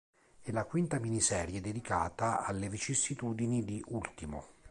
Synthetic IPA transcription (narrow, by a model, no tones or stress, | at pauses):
ɛlakwint̪aminisɛːɾjed̪ed̪ika̰ːt̪aa̰lːevit͡ʃisit̪uːd̪inid̪iʔult̪imo̰